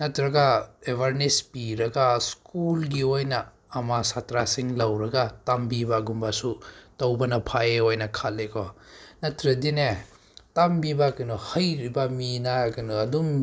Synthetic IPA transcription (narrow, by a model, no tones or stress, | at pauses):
nɐtɾɐɡaebʱaɾnespiɾɐɡaskulɡiojnɐː | masatɾasiŋlɐwɾɐɡatambibaɡumbasutɐwbɐnɐpʰaeojnɐkʰat̚lekʰɔnɐtɾɐdine | tambibakɐnuhɐjɾibɐminakɐnuɐdum